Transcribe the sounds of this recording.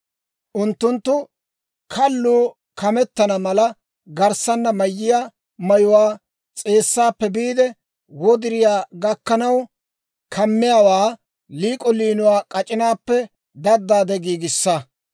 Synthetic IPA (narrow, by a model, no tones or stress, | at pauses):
ʔʊnt̪ːʊnt̪ːʊ | kʰɐlːuː | kɐmɛt̪ːɐnɐmɐlɐ | ɡɐɾsɐnːɐmɐjːɪja | mɐjʊwaː | t͡sʼe̞ːsːaːpːɛbiːd̪ɛ | wɔd̪ɪɾɪjaːɡɐkːɐnɐw | kʰɐmːɪjawaː | liːkʼɔliːnʊwaːkʼɐt͡ʃʼɪnaːpːɛ | d̪ɐd̪ːaːd̪ɛɡiːɡɪsːɐ